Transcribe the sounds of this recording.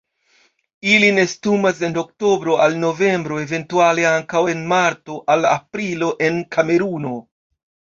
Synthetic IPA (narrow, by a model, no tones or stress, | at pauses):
iline̞stumas̬e̞nok̚to̞bɾo̞alno̞ve̞mbɾo̞eve̞ntuale̞aŋkawe̞nmaɾto̞ʔalapɾilo̞ʔe̞nkʰame̞ɾuno̞